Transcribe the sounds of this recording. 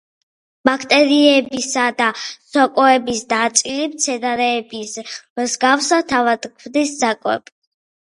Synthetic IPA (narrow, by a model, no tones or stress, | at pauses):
b̥akʰt̪ʼɛɾiɛbisad̪asɔkʼɔɛbisd̪at̪sʼilimt̪sʰɛd̪aɾɛːbismzɡafsat̪ʰavad̪kʰvd̪isd̪zakʼwɛ̰p